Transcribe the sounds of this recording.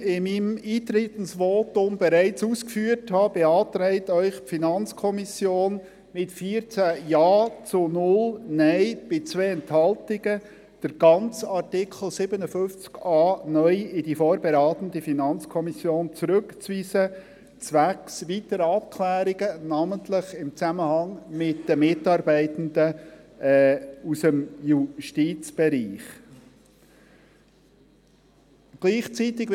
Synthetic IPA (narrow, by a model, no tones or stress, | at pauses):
ɪmimiːt̪ɾɪtn̩sʋoːtʊmb̥ɛɾæɪt͡suːskfyːəɾthɑːbɛɑːt̪ɾɛɪtœʏχpfinɑnt͡skʰɔmisjoːn | mɪtfiːɾt͡sæjɑːt͡sʊnʊlnɛɪb̥ɪt͡sʋeːɛnthɑltɪɡ̥ə | d̥əɾɡ̥ɑnt͡sɑrtɪkχl̩ˠsɪbənəfʏft͡skɑːnœʏɪdifoːɾbɛɾɑːt̪ən̩difinɑnt͡skʰɔmisjoːnt͡sɾɵkt͡sʋiːsə | t͡sʋæksʋit̪əɾəɑp̚kʰlæːɾiɡənɑməntlɪχɪmt͡sæməhɑŋmɪtd̥əmɪtɑːɾbæɪt̪əndə | usəmjuʃtit͡sb̥ɛɾiːχ | ɡ̥liːχt͡sit̪ɪɡ